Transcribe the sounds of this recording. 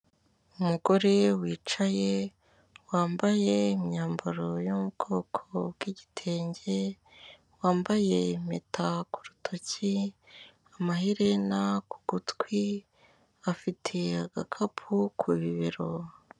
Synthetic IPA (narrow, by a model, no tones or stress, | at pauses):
umuɡo̞ɾe̞wiːt͡ʃaje | waːmbaje̞imɲaːmbaɾojomubɡo̞kʰobɡ̥iːɟitʰe̞ːɲɟe | waːmbaje̞metʰaku̥ɾutʰoci | amahiɾenakuɡ̥utkwi | afitʰe̞aɡakʰapʰukʰuβiβiɾo